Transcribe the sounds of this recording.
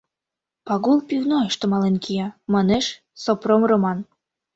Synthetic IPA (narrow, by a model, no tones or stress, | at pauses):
pɑɣulpivnoeʃt̪ə̆mɑlenkʰijɑmɑneʃ | sopromromɑn